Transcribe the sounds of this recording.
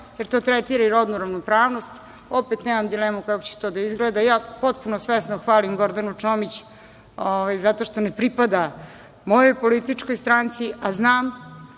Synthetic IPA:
jeɾt̪o̞ːt̪ɾet̪iɾaiɾod̪nuɾaʋnopɾaːʋno̞st̪ | o̞pet̪neːmamd̪ileːmukakot͡ɕe̥t̪od̪aizɡled̪ajaːpo̞t̪punosʋesnoxʋaːlimɡo̞ɾd̪anut͡ʂomit͡ɕ | oʋajzat̪o̞ʂt̪onepɾipad̪a | mo̞jo̞jpo̞lit̪it͡ʂko̞jst̪ɾaːnt̪siʔaznaːm

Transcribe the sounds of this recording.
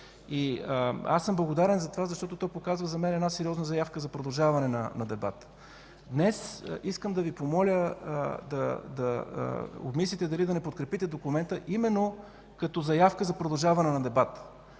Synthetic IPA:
ia̰sːɤmblˠɡod̪aɾɛnzɐt̪ovazɐʃt̪ɔt̪ot̪ɔjpokazvəzɐmɛnɛd̪nasɛɾiɔznəzɐjafkəzɐpɾod̪ɐlˠʒavɐnɛnɐ̰nɐd̪ɛba̰t̪ | d̪nɛsiskəmd̪ɐvipomɔlʲəd̪ɐd̪ɐ̰ | o̰bmislʲit̪ɛd̪ɐlid̪ɐnɛpot̪̚kɾɛpit̪ɛd̪okʊmɛnt̪əʔimɛnːo | kɐt̪ɔzɐjafkəzɐpɾod̪ɐlˠʒavɐnɛnɐd̪ɛbat̪

